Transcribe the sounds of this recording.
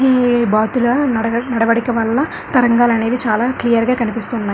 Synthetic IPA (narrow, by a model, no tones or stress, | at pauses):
ɦibaːt̪ulɐɐnɐɽɐʋɐɽikɐʋɐlːɐ | t̪ɐɾɐŋɡaːlɐne̞ːʋit͡ʃaːlaːklijɐɾɡaːkɐnipist̪uːnːaː